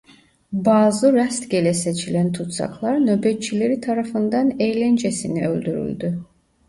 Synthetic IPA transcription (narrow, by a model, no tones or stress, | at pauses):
baːzɯɾast̪ɡʲelɛset͡ʃʰilænt̪ʰut̪sɑ̰kʰlˠɑɾnøbɛt̪t͡ʃʰileɾit̪ʰaɾafɯnd̪ɑnejlɛnd͡ʒesinɛøld̪yɾy̰lʲd̪y